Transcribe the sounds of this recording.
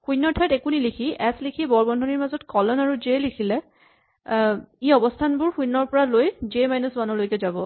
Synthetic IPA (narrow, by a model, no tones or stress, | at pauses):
xujnːɔtʰɔɛtekunilikʰiɛslikʰibɔɹbɔndʱɔniɹmazɔtkɔlɔnaɹuzelikʰilɛ | iɔbɔstʰanbʊɹxujnːɔɹpɔɹalojzemajnusbanɔlojkɛzabɔ